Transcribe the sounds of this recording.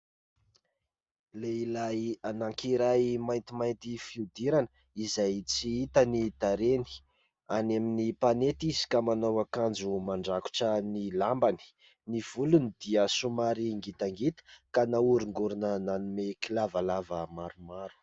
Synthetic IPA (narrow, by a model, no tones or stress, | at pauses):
leilajanaŋkiɾajmajnt̪imajnt̪ifiud̪iɾanə | izajt͡siit̪ənid̪aɾeni̥ | aneminipanet̪izi̥kamanowakand͡zumaɳɖ͡ʐaku̥ʈ͡ʂənilambani̥ | niv̥ulunid̪iəsumaɾiŋɡit̪aŋɡit̪ə̥kanauɾiŋɡuɾunənanumekilavalavəmaɾumaɾu̥